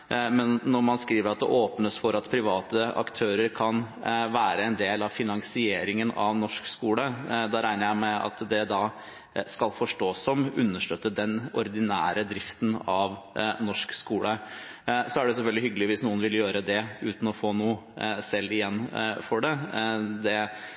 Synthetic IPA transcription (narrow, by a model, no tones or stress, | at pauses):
mɛnːɔɾmɑnskɾiːʋəɾɑt̪̚d̪ɛ̰ʔoːpnəsfɔɾɑt̪pʰɾɪʋɑːt̪əɑ̰kt̪ʰøːɾəɾkʰɑnʋæːɾəɛnd̪eːlɑʋfɪnɑŋsɪeːɾɪŋənɑ̰ʋnɔʂkskuːləd̪ɑɾæɪnəjæɪmɛɑ̰t̪d̪ɛd̪ɑː | skɑlfɔʂʈoːsɔmʉ̰nːəʂʈœt̪ːəd̪ɛnɔɾd̪ɪnæ̰ːɾəd̪ɾɪft̪nɑʋnɔʂkskuːlə | sɔæɖɛs̬ɛfœlɡ̪lɪhʏɡəlɪʋɪsnuːənʋɪljøːɾəd̪ɛʉ̰ːt̪n̩ɔfoːnuːəsɛlːɪjɛnːfɔɖɛd̪ɛ